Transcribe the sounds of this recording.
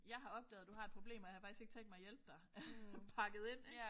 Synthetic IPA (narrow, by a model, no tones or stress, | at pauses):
jɑ̈ɪɦɑ̈ɒ̽b̥̚d̥ɛ̰ːðˠd̥uhɑ̈ed̥̚pʰʁob̥lḛːmɒjɑhɑ̈fɑɡ̥isɡe̝ɡ̥t͡sʰeŋ̰d̥mɑ̈jelb̥̚d̥ɑ̈pʰɑ̈ɡ̥əð̞̩ˠe̝n̰